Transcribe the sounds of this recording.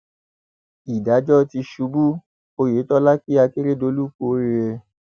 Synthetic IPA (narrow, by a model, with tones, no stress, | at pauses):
i˨da˨˦d͡ʒɔ˦ti˧ʃu˧˦bu˦ | o˧je˨˦tɔ˦la˦ki˦a˧ki˦ɾe˦do˧˦lu˦k͡po˦˨˦ɾi˧ɾe˧